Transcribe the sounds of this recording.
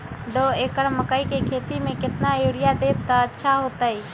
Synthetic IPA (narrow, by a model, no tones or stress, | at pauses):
d̪oekəɾməkəjkekʰet̪imekɪt̪najoɾijad̪eb̚t̪əətːʃʰaɦot̪əj